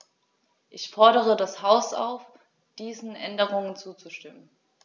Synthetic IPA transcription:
ʔɪçfɔɐɾəʁ̞ədashaʊsa̰ʊf | d̥iːzn̩ʔɛndəʁ̞ʊŋənt͡suːt͡suʃtɪmən

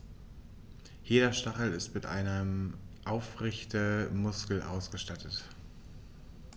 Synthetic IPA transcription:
jeːɾɐʃtaχl̩ɪstmɪtʔa̰ɪnəmʔaʊfʁɛçtəmʊskl̩ʔa̰ʊsɡ̥əʃtatʰət

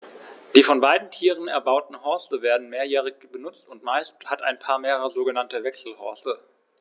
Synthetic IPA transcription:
d̥iːfɔnbaɪdn̩tʰiːʁ̞ən̩ɛɐbaʊtn̩hɔɐstəveːɐdn̩meːɐjɛːʁ̞ɪçb̥ənʊt͡stʊntmaɪsthatʔa̰ɪnpʰaːɐmeːʁəʁəzoːɡənantəvɛksl̩hɔɐstə

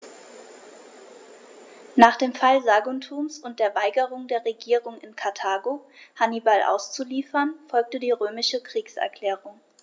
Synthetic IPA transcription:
naːχd̥eːmfalzaːɡʊntʰuːmsʊnt̚d̥eːɐvaɪɡəʁ̞ʊŋdeːɐʁeɡiːʁʊŋɪnkʰaɐtʰaːɡohanibalʔa̰ʊst͡suliːfɐnfɔlk̚tədiːʁøːmɪʃəkʁ̥iːksʔɛ̰ɐkl̥ɛːʁʊŋ

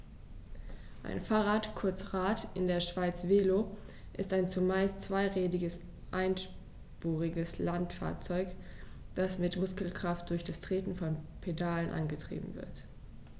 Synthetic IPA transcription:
ʔa̰ɪnfaːʁaːtkʰʊɐt͡sʁaːtʔɪndeːɐʃv̥aɪt͡sv̥eːlo | ʔɪstaɪnt͡sumaɪstt͡sv̥aɪʁeːdɪɡəs | ʔaɪnʃ | puːʁɪɡəslantfa̰ːɐt͡sɔʏk | d̥asmɪtmʊskl̩kʁ̥aft̚d̥ʊɐçd̥astʁ̥eːtn̩fɔnpʰedaːlənʔa̰nɡətʁ̥ḭːbm̩vɪ̰ɐt

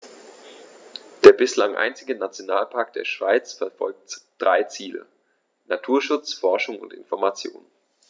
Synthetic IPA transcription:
d̥eːɐbɪslaŋʔa̰ɪnt͡sɪɡənat͡sjonaːlpʰaːk̚d̥eːɐʃv̥aɪt͡sfɛɐfɔ̰lk̚td̥ʁaɪt͡siːlə̰ | natʰuːɐʃʊt͡sfɔɐʃʊŋʊ̰ntɪ̰nfɔɐmat͡sjo̰ːnə

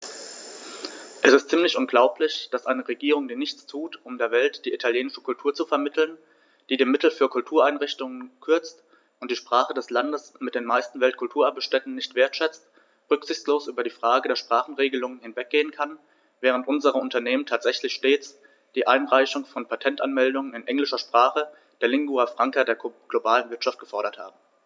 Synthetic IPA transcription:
ʔɛsɪstt͡siːmlɪçʔʊnɡlaʊplɪçd̥asʔaɪnəʁeɡiːʁʊŋdiːnɪçt͡stʰuːtʔʊmdeːɐvɛltd̥iːʔitʰaljeːnɪʃə̥kʰʊltʰuːɐt͡sufɛɐmɪtʰl̩n | d̥iːdeːmɪtl̩fyːɐkʰʊltʰuːɐaɪnʁɪçtʊŋənkʰʏɐt͡st | ʔʊntd̥iːʃpʁ̥aːχədɛslandəsmɪt̚d̥eːnmaɪstn̩vɛltkʰʊltʰuːɐʔabəʃtɛtn̩nɪçtv̥eːɐtʃɛt͡st | ʁʏkz̥ɪçt͡sloːsʔyːbɐdiːfʁ̥aːɡədeːɐʃpʁ̥aːχn̩ʁeːɡəlʊŋənhɪnvɛk̚ɡ̥eːənkʰan | vɛːʁ̞əntʔʊnzəʁəʊntɐneːmən̩tʰaːtz̥ɛçlɪçʃteːt͡s | d̥iːʔaɪnʁaɪçʊŋfɔnpʰatʰɛntʔanmɛldʊŋənɪnʔɛŋlɪʃɐʃpʁ̥aːχə | d̥eːɐlɪŋɡuafʁ̥aŋkadeːɐɡ̥lobaːlənvɪɐtʃaft̚ɡ̥əfɔɐɾɐtha̰ːbm̩

